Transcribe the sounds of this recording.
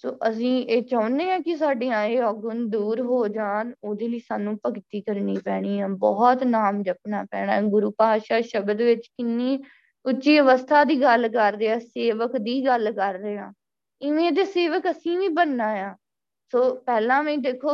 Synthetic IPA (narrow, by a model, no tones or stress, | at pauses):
soːʔəsĩːeːt͡ʃaʊ̃nd̪eːãːkɪsaːɖiːãːeːɔːɡʊnd̪uːɾɦoːd͡ʒaːnoːd̪eːliːsaːnũːpəkt̪iːkəɾniːpɛːɽ̃iːãːbɔːt̪naːmd͡ʒəp̚naːpɛ̰ːɽ̃aːɡʊɾuːpaːaːʃaːʃəbəd̪ʋɪt͡ʃkɪnːiː | ʊtːʃiːəʋəst̪ʰaːd̪iːɡəlkəɾd̪eːaːseːʋəkd̪iːɡəlkəɾːeːãː | ɪʋẽːt̪̬eːseːʋəkəsĩːʋĩːbənːaːjãː | soːpɛːlãːmɛ̃ĩːd̪eːkʰːoː